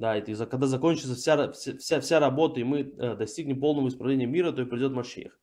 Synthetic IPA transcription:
d̪aɛt̪izɐkɐɡd̪azɐko̞nʲt͡ɕɪt̪səfsʲaɾɐfsʲfsʲafsʲaɾɐbo̞t̪əimɨd̪ɐsʲtʲiɡnʲɪmpo̞lˠnəvəɪspɾɐvlʲenʲɪjəmʲiɾət̪o̞ɪpɾʲɐɪdʲo̞t̪mɐʂḭjə̰x

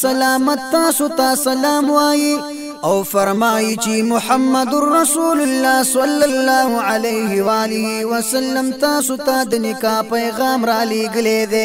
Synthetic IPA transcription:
sɐlaːmɐt̪ːaːsot̪asɐlaːmwaːji | awfɐɾmaːjit͡ʃemʊħamːɐd̪ʊrːɐsuːlʊlːaːsɐlːalːaːɦuʕalɐjɦiwaːlɪɦiwɐsɐlːɐmt̪aːsot̪ad̪ənɪkaːpɐjɣɑːmɾɑːleːɡəled̪e

